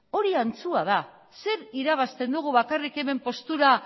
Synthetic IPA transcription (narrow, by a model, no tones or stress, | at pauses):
o̞ɾiant͡suað̞a | se̞ɾiɾaβ̞ast̪e̞nd̪uɣ̞uβakarike̞me̞mpo̞st̪uɾa